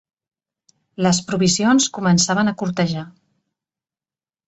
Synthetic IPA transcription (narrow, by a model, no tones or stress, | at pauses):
ləspɾuβisionskumənsaβ̞ənəkuɾt̪əʒa